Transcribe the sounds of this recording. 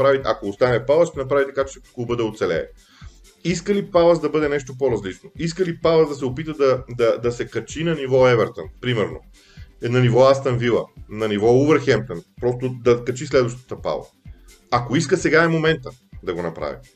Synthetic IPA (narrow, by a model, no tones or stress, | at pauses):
pɾavit̪ɛɐkoːst̪anɛfpalˠəʃt̪ɛnɐpɾavit̪ɐ̥kat͡ʃɛklˠubəd̪ɛot̪sɛlɛ̰ː | iskəlipavəzd̪ɐbɤd̪ɛnɛʃt̪opoɾɐzlit͡ʃnoiskəlipalˠəzd̪ɐs̬ɛopit̪əd̪ɐd̪ɐd̪ɐsɛkɐt͡ʃinɐnivɔɛvɛɾt̪ənpɾimɛɾno̰ | nɐnivɔast̪ɐnvilˠə̰nɐnivɔuvəɾxɛmp̚t̪ənpɾɔst̪od̪ɐkɐt͡ʃislɛd̪vɐʃt̪ə̥t̪əpa̰lˠɐə̰ | akoiskəsɛɡaɛmomɛnt̪əd̪ɐɡonɐpɾa̰vḭ